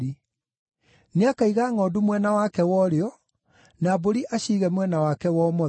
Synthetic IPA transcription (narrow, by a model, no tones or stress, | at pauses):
ɾi | neakaiɣaːŋɔːdumwɛnawakɛwɔɾeɔ | naːboɾiʔaɕiːɣɛmwɛnawakɛwɔːmɔ